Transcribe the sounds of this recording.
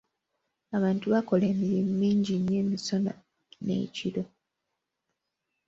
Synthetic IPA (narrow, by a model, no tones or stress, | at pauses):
aβaːntuβako̞le̞ːmiɾimumiːɲɟiɲːe̞ːmiso̞na̰ | ne̞̰ciɾo̞